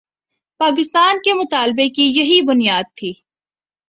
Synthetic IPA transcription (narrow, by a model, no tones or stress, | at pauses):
paːk̬ɪst̪aːnkemʊt̪aːlbekijɐɦibʊnijaːd̪̚t̪ʰiː